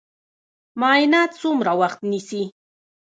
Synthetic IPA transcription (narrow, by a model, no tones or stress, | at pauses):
majnat̪sʊmɾawɑχt̪nisi